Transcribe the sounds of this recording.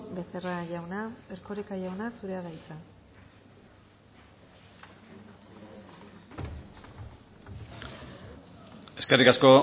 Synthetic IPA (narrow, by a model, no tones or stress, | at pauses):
be̞seraʝawnaeɾkoɾekaʝawnasuɾe̞aβajt͡sa | e̞skerikasko̞